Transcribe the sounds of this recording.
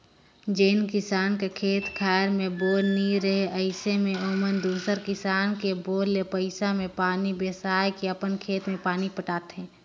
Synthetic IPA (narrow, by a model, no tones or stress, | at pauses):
d͡ʒeːnkɪsaːnkekʰeːt̪kʰaːɾmẽboːlniɾəɦeʔɐɪsemẽoːmənd̪uːsəɾkɪsaːnkeboːlːepəɪsamẽpaːnibeːsaːjkiəpənkʰeːt̪mẽpaːnipəʈaːt̪ɦɛ̃ː